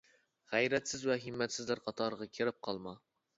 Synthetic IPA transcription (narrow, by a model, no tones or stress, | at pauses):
ʁɛjɾɛt̪sɪzwɛɦɪmːɛt̪sɪzlɪɾqʰɑt̪ʰɑɾʁɑkʲʰeɾɪp̚qʰɑlˠmɑ